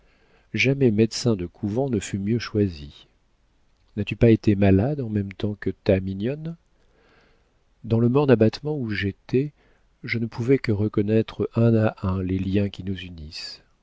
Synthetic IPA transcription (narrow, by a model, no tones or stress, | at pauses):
ʒamɛmɛd̪sɛ̃d̪əkʰuvɑ̃nəfymjøʃwazi | nat̪ypaet̪emalad̪ɑ̃mɛmt̪ɑ̃kət̪aminjɔn | d̪ɑ̃ləmɔʁd̪abat̪mɑ̃uʒet̪ɛ | ʒənəpʰuvɛkəʁəkɔnɛt̪χəɛ̃aʔɛ̃leljɛ̃kʲinuzynis